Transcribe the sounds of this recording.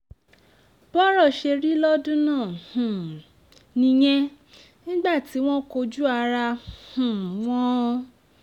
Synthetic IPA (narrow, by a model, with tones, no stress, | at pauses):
b̥ɔ˦ɾɔ˦˨ʃe˧ɾi˦lɔ˦dũ˦nãː˦˨hũ˨ | nĩ˧j̃ɛ̃˦ | nĩ˦ɡ͡ba˦˨ti˨˦w̃ɔ̃˦ko˧d͡ʒu˦a˧ɾa˧hũ˨w̃ɔ̃˦˧